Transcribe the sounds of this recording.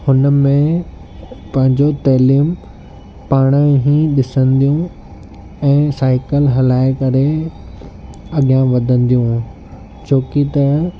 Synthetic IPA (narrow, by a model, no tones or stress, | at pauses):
hʊnəmẽ | pɐ̃ɦɪ̃ɲd͡ʑot̪ɐɦliːm | paːɽ̃ə̃ɦĩɗɪsə̃nd̪ijũ | ɛ̃ːsaːɪkəlɦɐlaːɪkɐɾe | ɐɡijãʋɐd̪ʱə̃nd̪ijũ | t͡ɕʰoːkit̪ɐ